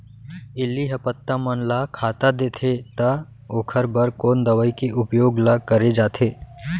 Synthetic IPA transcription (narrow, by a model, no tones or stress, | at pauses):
ɪlːiɦɐpət̪ːamənlakʰaːt̪ad̪eːt̪ʰet̪a | oːkʰəɾbəɾkoːnd̪ɐʋəikeʔʊpjoːɡlakəɾed͡ʒaːt̪ʰeː